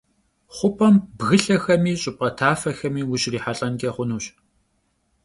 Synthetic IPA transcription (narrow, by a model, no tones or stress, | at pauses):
χʷʊpʰɐmbɣɨɬɐxɐmiːɕʼɪp̚ʼɐtʰaːfɐxɐmiːwʊɕriːħaɬʼɐnkʲʼeːχʷʊnuːɕ